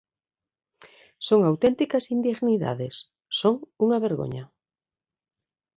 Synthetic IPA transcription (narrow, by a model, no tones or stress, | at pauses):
soŋawt̪ɛnt̪ikɐsind̪eɣniða̰ðesː | oŋuŋɐβeɾɣo̰ɲa